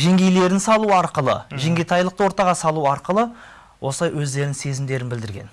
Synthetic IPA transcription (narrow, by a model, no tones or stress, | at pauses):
ʒe̞ŋɡʲe̞jle̞ɾɪnsɑlˠuɑɾqəlˠə̰ʒe̞ŋɡʲejt̪ʰɑjlˠəqt̪əwo̞ɾt̪ɑʁɑsɑlˠuɑɾqəlˠə | wʔo̞səlˠɑjwɵzd̪e̞ɾɪŋse̞zɪmd̪e̞ɾɪnbɪld̪ɪɾɡʲe̞n